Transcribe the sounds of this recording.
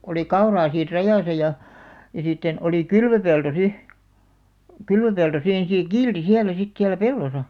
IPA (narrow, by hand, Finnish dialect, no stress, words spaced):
oli kɑurɑː siːr rɑjɑˑsɑ jɑ jɑ sitːen oli kylʋøpelto si kylʋøpelto siːn seː kiːlti hiælæ sit siælæ pelːosɑ